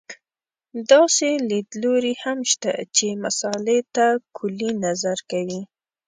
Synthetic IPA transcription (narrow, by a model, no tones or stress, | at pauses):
d̪ɑseled̪loɾihamʃt̪a̰t͡ʃemasɑlet̪akʰʊlinazaɾkawi